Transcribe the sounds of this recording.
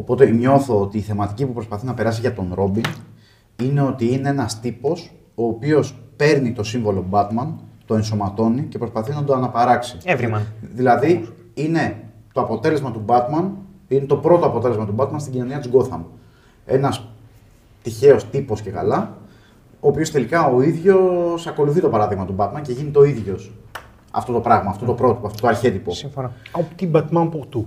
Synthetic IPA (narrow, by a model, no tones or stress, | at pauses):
o̞po̞t̪eɲo̞θo̞ot̪iːθe̞mɐt̪icipupɾo̞spɐθinɐpe̞ɾɐsiʝɐt̪o̞nɾo̞bin | ine̞o̞t̪iine̞enɐst̪ipo̞s | o̞ːpio̞spe̞ɾnit̪o̞siɱvo̞lobɐt̪mɐnt̪o̞e̞nso̞mɐt̪o̞nice̞pɾo̞spɐθinɐd̪o̞ɐnɐpɐɾɐksievɾimɐðilɐði | ine̞t̪oɐpo̞t̪e̞le̞zmɐt̪ubɐt̪mɐnine̞t̪o̞pɾo̞t̪o̞ɐpo̞t̪e̞le̞zmɐt̪ubɐt̪mɐnst̪iɟino̞niɐt̪izɡo̞θɐ̰m | e̞̰nɐs | t̪içe̞o̞st̪ipo̞sce̞kɐ̰lɐ | oːpiost̪e̞likɐo̞iðʝo̞sɐko̞luθit̪o̞pɐɾɐðiɣmɐt̪ubɐt̪mɐnce̞ʝinit̪o̞iðʝo̞s | ɐ̰ft̪o̞t̪opɾɐɣmɐːft̪o̞t̪o̞pɾo̞t̪ipoɐft̪ot̪ɐɾçe̞t̪ipo̞sifnot̪ibɐt̪mɐnput̪u